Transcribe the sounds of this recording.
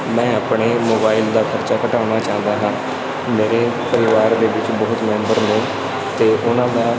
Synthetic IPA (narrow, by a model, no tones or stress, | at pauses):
mɛ̃ːəːpɳeːmoːbaːɪld̪aːkʰəɾt͡ʃaːkəʈaːñaːt͡ʃaːnd̪aːɦãː | meːɾeːpəɾɪʋaːɾd̪eːʋɪt͡ʃbəɦʊt̪mɛ̃ːmbəɾnẽː | t̪eːʔʊnãːd̪aː